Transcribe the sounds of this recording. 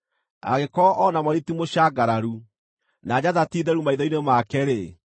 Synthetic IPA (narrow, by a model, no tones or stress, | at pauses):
a̰ɣekɔʔɔnamaɾitimoɕaɡaɾaɾu | naːd͡ʑaðatiːðɛɾumaiðɔinemakɛɾe